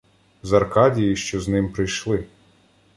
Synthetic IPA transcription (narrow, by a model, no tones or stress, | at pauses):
zɐrkɑdʲijiʃt͡ʃɔznɪmpɾɪjʃlˠɪ